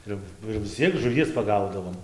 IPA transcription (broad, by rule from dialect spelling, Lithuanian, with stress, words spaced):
ˈɪr ˈnʊ ɪr ʋʲɪs ˈt͡sʲiɛk ʒʊˈʋʲiɛs pɐˈɡɐʊdɐʋoːm